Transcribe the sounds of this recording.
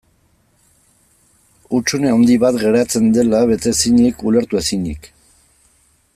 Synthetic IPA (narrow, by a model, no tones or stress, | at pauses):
ut͡ʃuneond̪iβat̪ɡe̞ɾat͡se̞nd̪e̞laβe̞t̪e̞siɲikule̞ɾt̪ue̞siɲḭk